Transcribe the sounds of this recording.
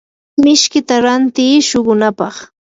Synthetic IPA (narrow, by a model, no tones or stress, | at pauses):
mɪʃkɪt̪aɾant̪iːʃoɢʊnapɑχ